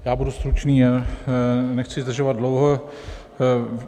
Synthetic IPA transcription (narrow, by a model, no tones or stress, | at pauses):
jaːbudust̪ɾut͡ʃniːa | nɛxt͡sɪzd̪r̩ʒovad̚dlowɦo